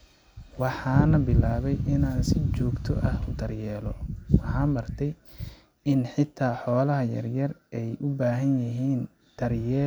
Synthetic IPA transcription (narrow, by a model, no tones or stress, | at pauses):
wɑħɑːnɐbɪlaːβɛjɪnaːnsɪt͡ʃɔːɡt̪ʰɔʔɐhʊd̪ɐrjɛːlɔwɑħɑːnmɐrt̪ʰɛj | ɪnħɪt̪ʰːaːħɔːlɐɦɐjɐ̰rjɐrɛjʔʊbaːɦɐnjɐɦiːn | d̪̥ɐrjɛː